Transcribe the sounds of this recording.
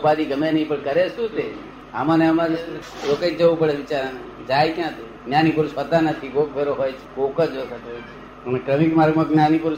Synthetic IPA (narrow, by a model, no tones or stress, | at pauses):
pad̪iɡəmẽnəɦĩpəɳkəɾet͡ʃt̪ũt̪e | a̰mãneəmãɾokəd͡ʒd͡ʒəʋupəɽeʋɪt͡ʃaɾd͡ʒajkjãt̪o | njanipəɾuʃɦot̪anət̪ʰiɡok̚bʱeɾoɦojt͡ʃʰe̥kokad͡ʒsat̪ojt͡ʃʰe | ənekɾəmikmaɾɡmãknjanipəɾ